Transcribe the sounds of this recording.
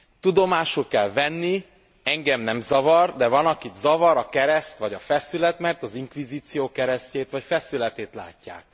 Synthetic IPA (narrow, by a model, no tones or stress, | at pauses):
t̪ud̪o̞maːʃukɛlvɛnːi | ɛŋɡɛmnɛmzɒvɒrd̪ɛvɒnɒkid̪zɒvɒɾɒkɛɾɛst̪ʋɒɟɒfɛsylɛt̪mɛrt̪ɒziŋkʋiziːt̪sijoːkɛɾɛsceːt̪ʋɒcfɛsylɛt̪eːt̪la̰ːcːa̰ːk̚